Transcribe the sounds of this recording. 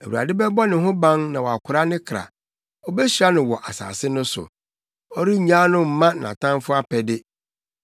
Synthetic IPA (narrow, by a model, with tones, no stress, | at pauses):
e˨wu˨ɾa̰˨dɪ˦bɛ˦bɔ˦nɪ̃˨ɦʊ̃˦bã˦ŋnã˨wɔ˨a˨kʰʊ˨ɾa˦nɪ̃˦kʰɾa̰˨ | ɔ˦bɛ˦ɕi˨ɾa˦nʊ̃˨wɔ˨ʔa˨sa̰ː˨sɪ˦nʊ̃˦sʊ̰˨ | ɔ˦ɾi˦˨ɲã˦nʊ̃˦m̩˨mːã˦˨nã̰˨tʰã˦nfʊ˦a˦pʰɛ˨dɪ˦